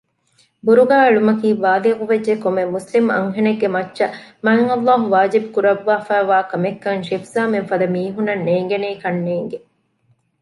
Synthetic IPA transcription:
buɾuɡaːɐɭumɐkiːʋaːliɣuʋed͡ʒːekomemuslimɐ̰ŋɦeneɡːemɐt͡ʃːʃɐmɐɐŋɐlːaːɦuʋaːd͡ʒibukuɾɐʋːaːfæːʋaːkɐmekːɐŋʃifzaːmenfɐd̪ɐmiːɦunɐnːeːŋɡeneikɐnːeːŋɡe

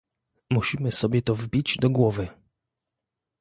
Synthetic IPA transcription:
muɕimɘsɔbʲjɛt̪ɔvbʲid͡ʑd̪ɔɡwɔvɘ

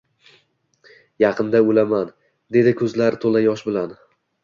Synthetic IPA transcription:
jɑqʰɨnd̪aolaman | d̪e̞d̪ɪkʰɵzlaɾɪt̪ʰolajɒʃbɪlan

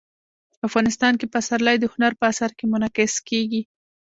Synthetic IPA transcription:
afɣɑnɪst̪ɑnkepasaɾlajd̪əhʊnaɾpəasaɾkemʊnakɪskeɡi

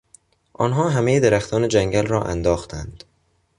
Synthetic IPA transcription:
ʔɒːnɦɒːɦæmejed̪eɾæxt̪ʰɒːne̞d͡ʒæŋɟælrɒːʔæ̰nd̪ɒːxt̪ʰænd̪̥

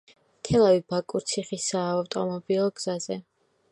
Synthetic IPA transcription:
mt̪ʰɛlˠavibakʼuɾt̪sʰiχisaːwt̪ʼɔmɔbilˠɔɡz̥azɛ

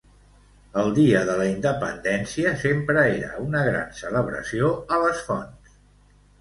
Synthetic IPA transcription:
əlˠd̪iəðələind̪əpə̰nd̪ɛnsiəsempɾəeɾə̰unəɣɾa̰nsələβ̞ɾə̰sioələsfɔns

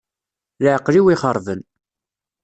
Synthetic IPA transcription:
ləʕqːliwiχəɾˤðən

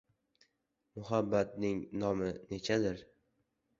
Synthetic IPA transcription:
mʊɦabːat̪̚nɪŋnɒmɪne̞t͡ʃʰad̪ɪɾ

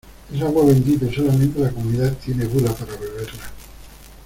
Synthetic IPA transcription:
esaɣwaβend̪it̪usolament̪elakomuiðat̪ineɣulapaɾaβeβeɾla

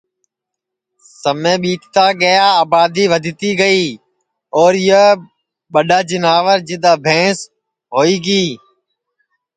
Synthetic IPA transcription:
səmẽːɓiːkt̪aːɡəjaːaːbaːd̪iːʋəd̪ʱɪt̪iːɡəiː | ɔːɾɪjə | ɓəɗaːd͡ʒɪnaːʋəɾd͡ʒɪd̪aːbʱẽːs | ɦoːiːɡiː

